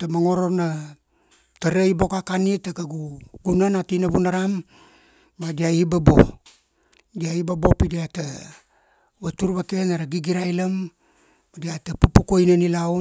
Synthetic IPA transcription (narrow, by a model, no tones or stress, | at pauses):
tamaŋo̞ɾo̞na | taɾaibo̞kakanitakaɡuɡunanatinaβunaɾamː | adiaibabo̞ | diaibabo̞pidiata | βatuɾβake̞naɾaɡiɡiɾajlamː | adiatapupukojnanilaw